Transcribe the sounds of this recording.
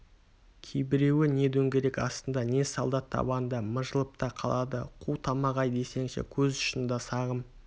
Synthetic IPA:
kʲʰejbɪɾe̞wɪne̞d̪ɵŋɡʲeɾe̞kɑst̪ənd̪ɑne̞sɑlˠd̪ɑt̪ʰːɑ̰bɑnd̪ɑməʒəlˠəp̚t̪ɑqʰɑ̰lˠɑd̪əqʰuwt̪ʰɑmɑʁɑjd̪e̞se̞ŋʃḛkʲʰɵzʊ̥ʃənd̪ɑsɑʁəm

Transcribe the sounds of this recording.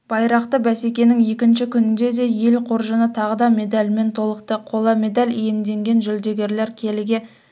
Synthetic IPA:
b̥ɑjɾɑqt̪əbæse̞kʲe̞nɪŋje̞kʲɪnʃɪkʲʰʏnɪnd̪e̞d̪e̞je̞lqʰo̞ɾʒənət̪ʰɑʁəd̪ɑmʲe̞d̪alʲme̞nt̪ʰo̞lˠəqt̪əqʰo̞lˠɑme̞d̪alʲijemd̪e̞ŋɡʲe̞nʒʏld̪e̞ɡʲe̞ɾle̞ɾkʲʰe̞lɪɡʲe̞

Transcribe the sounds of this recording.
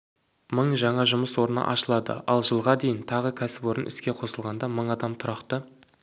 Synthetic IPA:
məɴʒɑɴɑʒʊməswo̞ɾənɑ̰ʔɑʃəlˠɑd̪ə̰ɑlˠʒəlˠʁɑd̪e̞jɪnt̪ʰɑʁəkʲʰæsɪpwo̞ɾənʔʏ̰skʲe̞qʰo̞səlˠʁɑnd̪ɑməɴɑd̪ɑmt̪ʰʊɾɑqt̪ə

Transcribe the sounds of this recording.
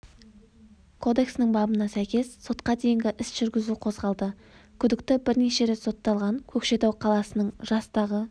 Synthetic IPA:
kʰo̞d̪e̞ksnɪɴbɑbənɑsæjkʲe̞sːo̞t̪qɑd̪e̞jɪŋɡʲɪʔɪsʒ̥ʏɾɡʲɪzuqʰo̞zʁɑlˠd̪ə | kʲʰʏd̪ɪk̚t̪ɪbɪɾne̞ʃe̞ɾet̪so̞t̪ːɑlˠʁɑŋkʲʰɵkʃe̞t̪ɑwqʰɑlˠɑsənəɴʒɑst̪ɑʁə

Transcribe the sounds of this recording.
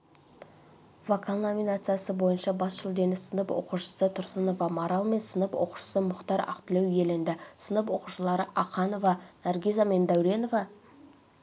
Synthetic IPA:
vakʰalˠnominat̪sɨjasəbo̞jənʃɑbɑsʒʊlˠd̪e̞nɪsənəpwo̰quʃə̥sət̪ʰʊɾsəno̞vɑmoɾɑlˠme̞nsənəpwoqu̥ʃə̥səmʊqt̪ɑɾɑ̰qt̪əlewje̞lɪnd̪ɪsənəp̬wo̞quʃəlˠɑɾəʔɑqɑno̞vɑnæɾɡʲizame̞nd̪æwɾe̞no̞vɑ

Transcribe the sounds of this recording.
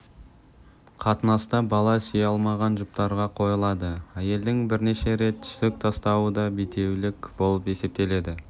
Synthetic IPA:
qʰɑt̪ənɑst̪ɑbɑlˠɑsijɑlˠmɑʁɑnʒʊp̚t̪ɑɾʁɑqʰo̞jəlˠɑd̪əæje̞ld̪ɪŋbɪɾne̞ʃe̞ɾe̞t̪ːʰʏ̥ʃt̪ɪk̚t̪ʰɑst̪ɑwəd̪ɑbet̪e̞wlɪkbo̞lˠəpe̞se̞p̚t̪e̞le̞d̪ɪ

